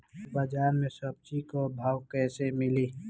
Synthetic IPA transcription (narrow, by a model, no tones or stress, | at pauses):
bad͡ʒaːɾmẽsəb̚t͡ʃikobʱaːwkɛːsemɪliː